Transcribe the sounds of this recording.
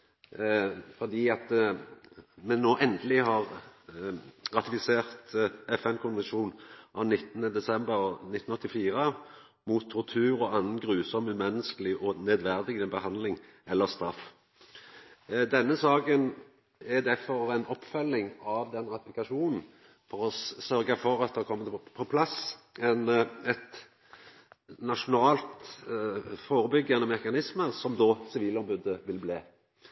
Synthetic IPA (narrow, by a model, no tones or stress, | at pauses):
fɔd̪iːɑt̪ | mɛnːoːʔɛnd̪əlɪhɑʁ | ʁɑt̪ɪfɪseːʁt̪ɛfɛnkʰʊnʋɛnʃuːnʔɑʋnɪt̪ːənəd̪ɛsɛmbəʁnɪt̪ːn̩ɔt̪ːɪfiːʁə | muːt̪ʰːɔʁt̪ʰʉːɾɔʔɑnnɡʁʉːsɔməmɛnːəskəlɪʔɔnɛd̪ʋæʁd̪ɪɡəəbəhɑnd̪lɪŋ | ɛlːəʁst̪ɾɑf | d̪ɛnːəsɑːɡən | ɛd̪æɾfɔɾɛnɔpːfœlːɪŋɑʋd̪ɛnɾɑt̪ɪfɪkɑʂuːnn̩ | fɔʁɔsœɾɡɑfɔɾɑt̪̚d̪ɛhkʰɔmːəpʰɔpʰlɑsɛnɛt̪ | nɑʂʊnɑːlt̪ | foːɾəbʏɡːɑnəmɛkɑnɪsməɾsɔmd̪ɔsɪʋiːlɔmbʉd̪əʋɪlbleː